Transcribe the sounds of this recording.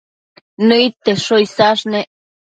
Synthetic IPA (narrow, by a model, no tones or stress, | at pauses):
nɨit̪ːeʂojsaʂne